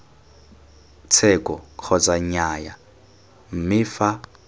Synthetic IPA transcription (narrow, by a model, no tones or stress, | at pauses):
t͡sʰɛkʼɔkʰɔt͡sʼaɲaja | m̩mɪfa